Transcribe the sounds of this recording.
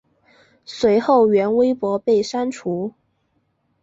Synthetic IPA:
swe˧˥ɪxo˥˩ʊɥɛ˧˥nwe˥ɪpwɔ˧˥pe˥˩ɪʂa˥nʈ͡ʂʰu˧˥

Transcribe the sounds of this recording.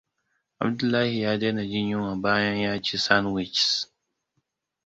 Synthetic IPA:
ʔa̰˨bdʊ˦lːaː˦hi˨jaː˦de˦na˨d͡ʒɪ˦ɲjʊ˦wa˨baː˦jɐ˦ɲjaː˦t͡ʃiː˦sa˦nwɪ˨t͡ʃs

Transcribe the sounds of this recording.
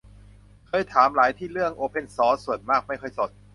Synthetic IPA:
kʰɤː˧˥˩jt̪ʰaː˩˦mɾaː˩˦jt̪ʰiː˥˩ɾɯ˥˩əŋʔoː˧pʰe˧˥˩nsɔː˦˥su˨˩ənmaː˥˩k̚ma˥˩jkʰɤː˥˩jso˨˩t̪̚

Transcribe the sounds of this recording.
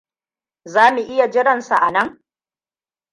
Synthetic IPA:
zaː˦mu˨ʔɪ˦ja˨d͡ʒɪ˦ɽɐ˨nsa˨ʔa˨nɐ˦ŋ

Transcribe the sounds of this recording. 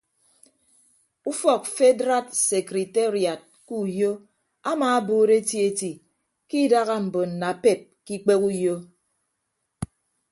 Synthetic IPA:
u˦fɔ˨k̚fe˦dɾa˦t̚se˨kɾi˨te˦ɾi˨a˨t̚ku˦˨jo˦ | a˦maː˨a˦boː˦ɾe˦ti˦e˦ti˨ | ki˦da˦ɣa˦m̩˨bo˨n̩˨na˨pe˦˨t̚ki˦k͡pe˦ku˦jo˦

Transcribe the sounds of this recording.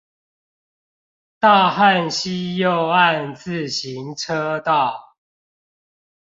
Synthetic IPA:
t̪a˥˨xa˥˨nɕi˦jo˥˨ʊa˥˨nt͡sɹ̩˥˨ɕi˨˦ŋʈ͡ʂʰɤ˦t̪ɑ˥˨ʊ

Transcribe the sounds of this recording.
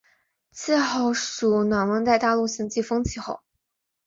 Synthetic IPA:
t͡sʰɹ̩˥˧xo˥˩ʊʂu˨˩nwa˨˧˥nwə˧˥nt̪a˥˧ɪt̪a˥˧lu˥˩ɕi˧˥ŋt͡ɕi˥˩fɤ˥ŋt͡ɕʰi˧˥˩xo˥˩ʊ

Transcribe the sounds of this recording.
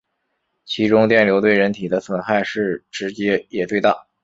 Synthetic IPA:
t͡ɕʰi˧˥ʈ͡ʂʊ˥ŋt̪jɛ˥˩nljo˧˥ʊt̪we˥˩ɪɻə˧˥nt̪ʰi˨˩d̪ə˦swə˨˩nxa˥˧ɪʂɻ̩˥˩ʈ͡ʂɻ̩˧˥t͡ɕjɛ˥jɛ˨˩t̪we˥˧ɪt̪a̰˥˩

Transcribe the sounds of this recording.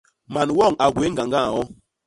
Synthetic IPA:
ma˨nwɔ˦˨ŋa˨ɡwe˨˦ŋɡa˨ŋɡã˦a˨wɔ˦

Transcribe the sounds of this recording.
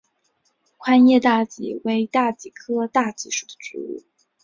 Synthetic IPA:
kʰwa˥njɛ˥˧t̪a˥˩t͡ɕḭ˧˥we˧˥ɪt̪a˥˩t͡ɕi˨˩kʰɤ˥t̪a˥˧t͡ɕi˧˥ʂu̥˨˩d̪̥ə̥˦ʈ͡ʂṵ˧˥ṵ˥˩

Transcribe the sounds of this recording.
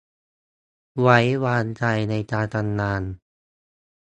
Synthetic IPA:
wa˦˥jwaː˧nt͡ɕa˧jna˧jt͡ɕaː˧t̪a˧nːaː˧n

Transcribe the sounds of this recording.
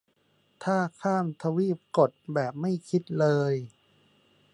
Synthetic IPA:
t̪ʰaː˥˩kʰaː˥˩mt̪ʰa˧wiː˥˩p̚ko˨˩t̪̚bɛː˨˩p̚ma˥˩jkʰi˦˥t̪̚lɤː˧j

